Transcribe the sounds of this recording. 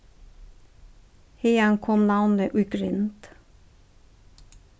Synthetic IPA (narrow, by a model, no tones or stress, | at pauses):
hejɑŋkʰɔmnɑʋnəʔʉɡɾʏnt̪